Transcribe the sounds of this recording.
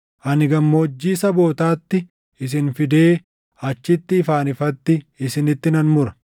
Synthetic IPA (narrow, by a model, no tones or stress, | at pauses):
ʔɐnɪɡɐmːoɔd͡ʒːiːsɐbo̞ːt̪aːt̪ːɪ | ɪs̬ɪnfɪd̪e̞ː | ɐt͡ʃːɪt̪ːɪːfaːnɪfɐt̪ːɪɪsɪnɪt̪ːɪnɐnmʊɾɐ̥